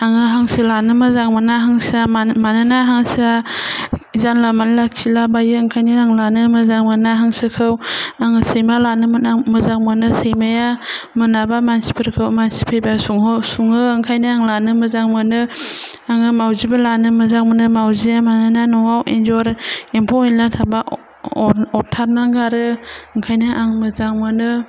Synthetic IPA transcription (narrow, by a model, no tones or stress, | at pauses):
aŋɯɦaŋsɯlanɯmɯzaŋmɯnaɦaŋsamanɯnaɦaŋsa | zanlamanlakkʰilabajɯːŋkʰajnɯaŋlanɯmɯzaŋmɯnaɦaŋsɯkʰɯwaŋɯsɯjmalanɯmɯnamɯzaŋmɯnɯsejmajamɯnabamansi̥pʰɯɾkʰɯwmansi̥pʰejbasuŋɦɔsuŋɯːŋkʰajnɯaŋlanɯmɯzaŋmɯnɯaŋɯmawzibalanɯmɯzaŋmɯnɯmawziamanananɔwawḛnzɔɾempʰɔejlatʰaba | ɔɾtʰaɾnaŋɡaɾɯɯŋkʰajnɯʔaŋmɯzaŋmɯnɯ